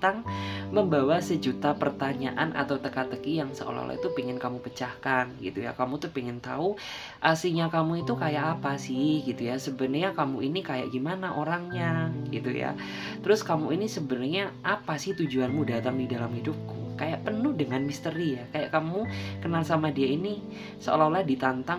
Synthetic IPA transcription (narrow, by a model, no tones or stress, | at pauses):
t̪aŋməmbawasəd͡ʒut̪apərt̪aɲa̰ʔanʔa̰t̪awt̪əkat̪əkijaŋsə̰o̰la̰la̰ḭt̪upiŋɪnkamupət͡ʃahkanɡḭt̪uja̰kamut̪uhpiŋɪnt̪au | ʔasiɲakamuit̪ukajaʔapasɪhɡit̪ujasəbənərɲakamuinikaja̰ʔɡimanaʔoɾaŋɲaɡit̪ṵja̰ | t̪əɾʊskamuinisəbənərɲaʔapasɪht̪ud͡ʒuanmudat̪aŋdidalamhidʊp̚kukajaʔpənʊhdəŋanmist̪əɾijakajaʔkamukənalsamadiaini | səo̰lalahdit̪ant̪a